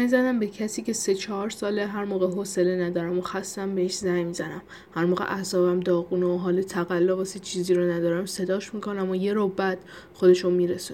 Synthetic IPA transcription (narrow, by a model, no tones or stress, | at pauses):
zæd̪æmbecʰæsiːcʲe̞se̞t͡ʃʰɒɦɒɾsɒːleɦæɾmoːɣeɦose̞lenæd̪ɒːɾæmoxæst̪æmbeheʃzæjmiːzænæm | hæɾmoːɣḛʔæsɒːbæmd̪ɒːɣuːnooɦɒːlet̪ʰæɣælːovɒsit͡ʃʰiːziːɾonæd̪ɒːɾæmse̞d̪ɒːʃmikʰo̞næmoje̞ɾobæd̪̥ | xo̞d̪e̞ʃomiːɾesun